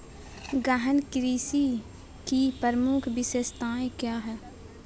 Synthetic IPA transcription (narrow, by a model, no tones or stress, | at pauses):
ɡəɦənkɾiːsi | kipəɾmʊkʰbɪʃeːst̪aːẽkjaːɦɛː